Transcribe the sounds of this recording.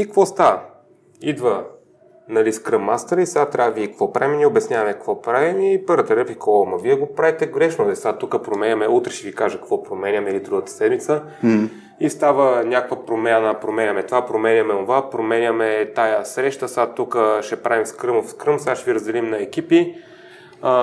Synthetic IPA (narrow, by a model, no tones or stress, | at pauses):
ikɐkvɔst̪avə | id̪və | nɐliskɾəmːa̰st̪ɾisɡat̪ːɾʲavikəkvɔpɾaimnʲiobɛsnʲavəmɛkɐkvɔpɾavimipəɾət̪ɐɾəfikɔlˠmɐviɛɡopɾavit̪ɛɡɾɛʃnod̪ɛsat̪ːukəpɾomɛnʲɐmɛut̪ɾɛʃɛvikaʒəkɐkvɔpɾomɛnʲəmɛlid̪ɾuɡət̪ə̥sɛd̪mit̪sə | ist̪avənʲakkvəpɾomanəpɾomɛnʲəmɛt̪ovapɾomɛnʲəmɛonvapɾomɛnʲəmɛt̪ajəsɾɛʃt̪əsat̪ːukəʃɛpɾavimskɾəmofskɾəmsaʃɛviɾəzd̪ɛlimnɐɛk̟ipi